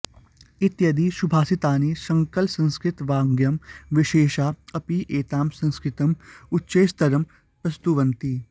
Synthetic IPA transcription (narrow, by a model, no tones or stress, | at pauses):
ɪt̪jɐd̪iʃubʱaːsɪt̪aːniːsɐ̃ŋkəlsɐ̃nskɾɪt̪ʋaːŋɡjɐmʋɪʃeːʃaːɐpiʔeːt̪aːmsɐ̃nskɾɪt̪əmʊtːʃeːst̪ɐɾəm | pɾɐst̪uʋɐ̃nt̪iː